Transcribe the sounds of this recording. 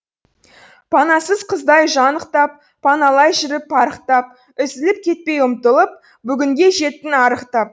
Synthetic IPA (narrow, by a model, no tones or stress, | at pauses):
pʰɑnɑsəzqʰəzd̪ɑjʒɑnəqt̪ɑp̚ːʰɑnɑlˠɑjʒʏɾɪpːɑɾəqt̪ɑp̚ | ʏzɪlɪp̚kʲʰe̞t̪̚pe̞jʊmt̪əlˠəp̚ | bʏɡʲɪŋɡʲe̞ʒe̞t̪ːɪnɑɾəqt̪ɑp̚